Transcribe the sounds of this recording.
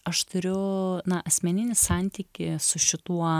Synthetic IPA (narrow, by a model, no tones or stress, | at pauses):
ɐʃt̪ʰʊɾʲʊnɐʔɐsʲmʲɛnʲɪnʲɪsɑˑnʲt̪ʲiːkʲɪsʊʃʲɪt̪uɔ